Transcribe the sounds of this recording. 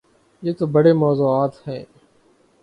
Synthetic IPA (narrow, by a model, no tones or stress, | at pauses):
jeːt̪oːbəɽeːmoːzuːaːt̪hɛ̃ː